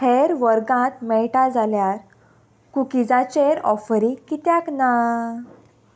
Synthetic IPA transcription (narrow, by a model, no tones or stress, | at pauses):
heɾʋəɾɡãt̪mɛɭʈad͡zaljaɾ | kukid͡zãt͡ɕeɾɔ̰fɾikit̪jãkna